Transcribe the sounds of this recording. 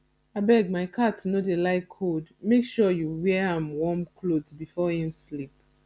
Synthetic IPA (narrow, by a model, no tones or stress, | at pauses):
abɛɡ̚maɪkʰatnɔdelaɪkʰːodmekʃɔjuwɛãmwɔ̃mkʰlodzbifɔhĩmslip